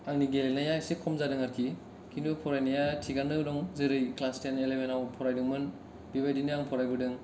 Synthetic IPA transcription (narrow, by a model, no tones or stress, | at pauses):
aŋniɡelelnajajsikʰɔmzadɯŋaɾkʰi | kʰindupʰɔɾajnajatʰiɡanɯɾɔŋzɯɾɯjklanstenelebenawpʰɔɾajdɯŋmɯn | bibajdinɯaŋpʰɔɾajbɯdɯŋ